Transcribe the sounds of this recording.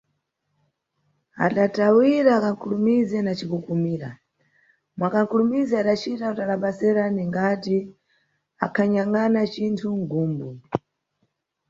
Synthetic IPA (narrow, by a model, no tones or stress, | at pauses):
a̰ɗatawiɾaːkaŋ̩kʰulumizɛnat͡ʃikukumiːɾa̰ | mwakaŋ̩kulumizɛaɗat͡ʃitautalaɓasɛɾaniŋɡati | a̰kʰaɲaŋanat͡ʃintʰuŋɡuːmbu